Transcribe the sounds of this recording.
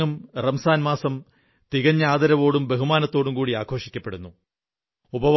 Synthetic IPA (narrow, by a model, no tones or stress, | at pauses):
ɐmrɐmsaːnmaːsɐm | t̪iɣɐɲːaːd̪ɐɾɐʋo̞ːɽumbe̞ɦumaːnɐt̪ːo̞ːɽumkuːɽiaːkʰo̞ːʂikʲːɐpːe̞ɽunːu | ubɐ